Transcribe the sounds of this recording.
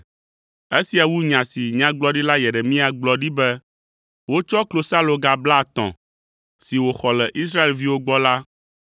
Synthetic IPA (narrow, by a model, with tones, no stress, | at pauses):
e˦si˨a˨wu˦ɲã˨si˨ɲã˨˦ɡ͡blɔ˦ɖi˦la˦jɛ˨ɖɛ˨mĩ˦a˨ɡ͡blɔ˨ɖi˦bɛ˦ | wo˦t͡ʃɔ˦klo˦sa˦lo˨ɡa˨bla˦˨t̪ɔ̰̃˨ | si˨wo˨xɔ˨lɛ˨ʔi˦sɾa˦e˨lvi˦wo˦ɡ͡bɔ˦la˦